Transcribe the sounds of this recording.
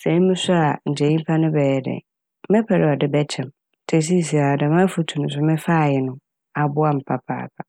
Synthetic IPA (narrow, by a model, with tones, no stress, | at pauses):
sɛ˨˦mɪ̃˦sʊ˦a˨n̩˨d͡ʑɛ˨˦ĩ˦m˦pʰa˦nʊ̃˦bɛː˨jɛ˨dɛ̰˨˦ | mɛ̃˦pʰɛ˨ɾɪ˨ɔ˨dɪ˦bɛ˦t͡ɕʰɛ̃˨m | tʰe˨s̬i˦˨s̬i˨a˨dã˨mã˦fu˦tʰu˨nʊ̃˨s̬ʊ˦mɪ̃˦fa˦˨jɪ˨nʊ̃˦ | a˨bʊ˦a˦m̩˨pʰa˦pʰa̰ː˦˨pʰa˨